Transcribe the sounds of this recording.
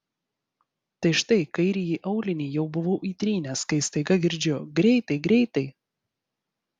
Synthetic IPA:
t̪ɐɪʃt̪ɐɪkɐɪɾʲɪjiːʔɐʊlʲɪnʲiːjɛʊbʊʋoːʔiːt̪ʲɾʲiːnʲɛskɐɪst̪ɐɪɡɐɡʲɪɾʲd͡ʒʲoɡɾʲɛɪt̪ɐɪɡɾʲɛɪt̪ɐɪ

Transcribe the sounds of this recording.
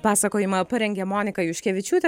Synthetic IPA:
pɑːsɐkoːjɪmɐpɐɾʲɛŋʲɡʲɛmoːnʲɪkɐʊʃʲkʲɛʋʲɪt͡ʃʲuːt̪ʲɛ

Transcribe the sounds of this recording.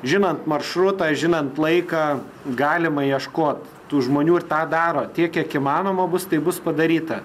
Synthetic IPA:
ʒʲɪnɐnt̪mɐrʃɾʊt̪ɐʒʲɪnɐnt̪lˠɐɪkɑ | ɡɑːlʲɪmɐjiɛʃkoːt̪ | t̪uːʒmoːnʲuːɪrt̪ɑːd̪ɑːɾoːt̪ʲiɛkʲiɛkɪmɑːnoːmɐbʊst̪ɐɪbʊspɐd̪ɐɾʲiːt̪ɐ

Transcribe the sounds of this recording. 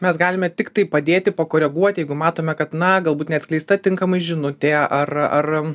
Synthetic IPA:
mʲɛsɡɑːlʲɪmʲɛt̪ʲɪkt̪ɐɪpɐd̪ʲeːt̪ʲɪpɐkoːɾʲɛɡuɔt̪ʲjɛɪɡʊmɑːt̪oːmʲɛkɐt̪nɐɡɐlˠbuːt̪nʲɛɐt̪ʲsklʲɛɪst̪ɐt̪ʲɪŋkɐmɐɪʒʲɪnʊt̪ʲeːʔɐrɐr

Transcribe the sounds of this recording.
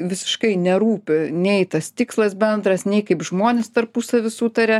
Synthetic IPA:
ʋʲɪsʲɪ̥ʃkɐɪnʲɛɾuːpʲɪnʲɛɪt̪ɐst̪ʲɪkslˠɐsbʲɛnd̪ɾɐsnʲɛɪkɐɪpʒmoːnʲest̪ɐrpusɐʋʲɪsut̪ɐɾʲɛ

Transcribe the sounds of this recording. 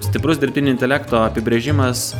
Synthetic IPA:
sʲt̪ʲɪpɾʊsd̪ʲɪɾʲpʲɪnʲʊɪnʲt̪ʲɛlʲæːkt̪oːɐpʲɪbʲɾʲeːʒʲɪmɐs

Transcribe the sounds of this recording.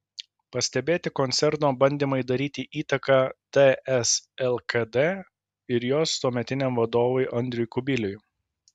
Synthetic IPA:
pɐsʲt̪ʲɛbʲeːt̪ʲɪkɔnʲt̪sʲɛɾt̪oːbɐnʲd̪ʲiːmɐɪd̪ɐɾʲiːt̪ʲiʔiːt̪ɐkɑːd̪̥ɛɛsɛlˠkɐd̪ɛː | ɪɾjoːst̪oːmʲɛt̪ʲɪnʲɛmʋɐd̪oːʋʊɪʔɐnʲd̪ʲɾʲɪjkʊbʲɪlʲʊj

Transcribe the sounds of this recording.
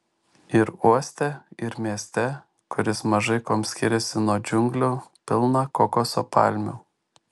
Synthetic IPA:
ɪɾuɔsʲt̪ʲɛɪɾmʲiɛsʲt̪ʲɛ | kʊɾʲɪsmɐʒɐɪkoːmsʲkʲɪɾʲɛsʲɪnuɔd͡ʒʲʊŋɡlʲopʲɪlˠnɑkɔkosoːpɑ̰ˑlʲmʲʊː

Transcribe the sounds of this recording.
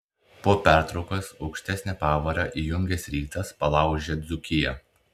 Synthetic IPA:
poːpʲæˑɾt̪ɾɒʊkosɒʊkʃʲt̪ʲɛsʲnʲɛpɑːʋɐɾɑʔijʊŋʲɡʲɛsɾʲiːt̪ɐspɐlˠɑˑʊʒʲɛd̪zʊkʲɪjɛ

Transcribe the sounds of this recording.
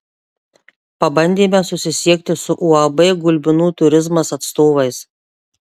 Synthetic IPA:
pɐbɐnʲd̪ʲeːmʲɛsʊsʲɪsʲiɛk̚t̪ʲɪsʊʔuɐbeːɡʊlʲbʲɪnuːt̪ʊɾʲɪzmɐsɐt̪st̪oːʋɐɪs

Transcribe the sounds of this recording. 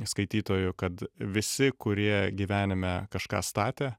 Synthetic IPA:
skɐɪt̪ʲiːt̪oːjʊkɐt̪ʋʲɪsʲɪkʊɾʲiɛɡʲiːʋʲæːnʲɪmʲɛkɐʃkɑ̰ːst̪ɑːt̪ʲeː

